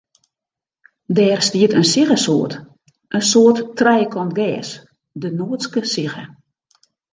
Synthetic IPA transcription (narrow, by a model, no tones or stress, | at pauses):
dɛːrstiətənsiɣəsoːt | ʔənsoəttrɛjkʰɔntɡɛːs | dənoːəskəsiɣə